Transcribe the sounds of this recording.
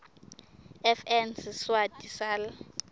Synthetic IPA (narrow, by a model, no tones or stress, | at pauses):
ɛfɛnsswadisal